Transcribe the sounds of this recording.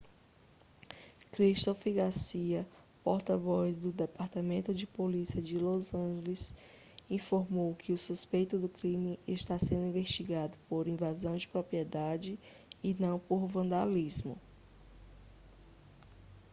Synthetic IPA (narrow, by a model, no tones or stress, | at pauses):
kɾiʃt̪ofiɡasiɐ | pɔɾt̪ɐvɔzd̪ʊd̪epaɾt̪ɐmẽnt̪ʊd͡ʒɪpolisiɐd͡ʒɪlozɐ̃ʒelɪs | ĩfoɾmowkʰɪʊsuspejt̪ʊd̪ʊkɾĩmɪʔːʃt̪asẽnd̪ʊĩveʃt͡ʃiɡad̪ʊpoɾĩvazɐ̃w̃d͡ʒɪpɾopɾiɛd̪ad͡ʒɪː | nɐ̃w̃poɾvɐ̃nd̪alizmʊ̰